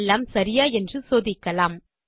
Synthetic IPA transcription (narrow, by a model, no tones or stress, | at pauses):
lːaːmsɐɾɪjaːɛndrɯsoːðɪkːɐlaːm